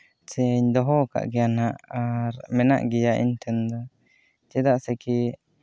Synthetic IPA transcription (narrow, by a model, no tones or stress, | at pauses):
sɛɲd̪ɔɦɔka̰ʔɡɛjanaʔaɾmɛna̰ʔɡijaʔḭɲt̪ʰɛnd̪ɔ | t͡ʃɛd̪aʔsɛki